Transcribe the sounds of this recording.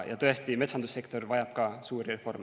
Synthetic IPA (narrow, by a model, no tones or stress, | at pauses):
jʔɑ̰t̪ɤest̪ime̞t̪sɑnd̪usːe̞kt̪o̞rvɑjɑb̥̚kɑːsuːɾirefo̞rme